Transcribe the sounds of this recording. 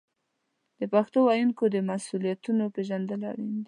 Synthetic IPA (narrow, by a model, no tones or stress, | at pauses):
d̪̥əpaxt̪owajunkod̪əmasulijat̪unopeʒand̪əla̰ɽind̪i